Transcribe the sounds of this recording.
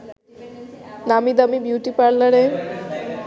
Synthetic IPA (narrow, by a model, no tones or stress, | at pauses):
namid̪əmibjuʈipaɽləɽe